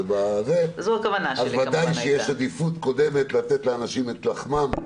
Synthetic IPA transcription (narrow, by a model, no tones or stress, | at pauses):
bazezokavanaazvad̪ajʃʃejeʃad̪ifut̪ko̞d̪e̞me̞t̪lat̪et̪leanaʃimet̪laχmam